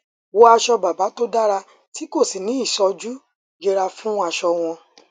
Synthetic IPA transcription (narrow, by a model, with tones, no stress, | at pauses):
wo˦a˧ʃɔ˧ba˨ba˨˦to˦da˦ɾa˧ | ti˦ko˦˨si˨nĩ˨˦i˦˨ʃɔ˧d͡ʒu˦ | d͡ʒe˧ɾa˧fũ˦a˧ʃɔ˧w̃ɔ̃˧